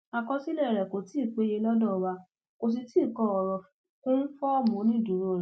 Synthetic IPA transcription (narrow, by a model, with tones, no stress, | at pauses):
a˨˧kɔ˧˦si˦lɛ˦˨ɾɛ˨ko˨˦ti˦˨k͡pe˨˦je˧lɔ˦dɔ̃˦˨wa˧ | ko˧s̬i˧ti˦˨kɔ˧˦ɔ˨ɾɔ˨f | kõ˦n̩˦fɔ˦ɔ˦˨mɔ̃˨˦nĩ˦du˨˦ɾo˦˨ɾ